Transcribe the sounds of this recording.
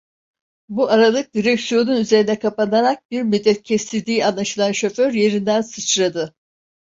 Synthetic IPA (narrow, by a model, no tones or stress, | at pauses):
buʔaɾalˠɯk̚d̪iɾɛksijo̞nunyze̞ɾinɛkʰapanaɾak̚biɾmid̪ːɛt̪̚cʰɛst̪ʰilʲd̪iːanlˠaʃɯlˠanʃo̞føɾje̞ɾind̪ænsɯt͡ʃɾad̪ɯ